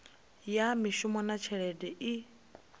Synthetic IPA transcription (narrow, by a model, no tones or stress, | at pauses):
jamiʃumɔnat͡ʃʰɛɺɛdɛʔi